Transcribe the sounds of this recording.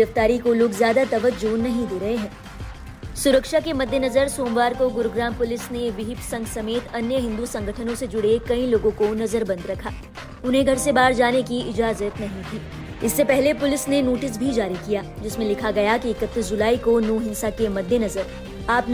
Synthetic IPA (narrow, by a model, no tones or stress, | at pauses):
ɾəft̪aːɾikoloːɡzjaːd̪at̪ɐʋəd͡ʒuːnːɐɦĩd̪eːɾɐɦeɦɛ̃ː | sʊɾəkʃakemɐd̪ʱjənɐzəɾsoːmʋaːɾkoɡʊɾɡɾaːmpʊlɪsneʋɪɦɪpsɐ̃ŋɡsɐmeːt̪ɐnjəɦɪ̃nd̪usɐ̃ŋɡʱəʈʰənõsed͡ʒʊɽekɐĩloːɡõkonɐzəɾbɐ̃nd̪ɾɐkʰaː | ʊnɦẽɡʱɐɾsebaːɾd͡ʒaːnekiʔɪd͡ʒaːzət̪nɐɦĩt̪ʰiː | ɪsːepɛɦlepʊlɪsnenoːʈɪs̬bʱid͡ʒaːɾikijaːd͡ʒɪsmẽlɪkʰaɡɐjakiɪkət̪ːis̬d͡ʒʊlaːikonɔːɦɪ̃nsakemɐd̪ʱjənɐzəɾ | aːpn